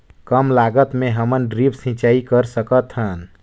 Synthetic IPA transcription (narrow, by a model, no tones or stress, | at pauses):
kəmlaɡət̪meɦəmənɖɾipsĩt͡ʃaikəɾsəkət̪ɦən